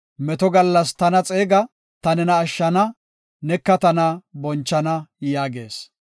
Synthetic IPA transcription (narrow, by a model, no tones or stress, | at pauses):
mɛt̪ɔɡɐlːɐst̪ɐnɐt͡sʼeːɡɐ | t̪ɐnɛnɐːʃːɐnɐ | nɛkːɐt̪ɐnɐbɔnt͡ʃːɐnɐjaːɡeːs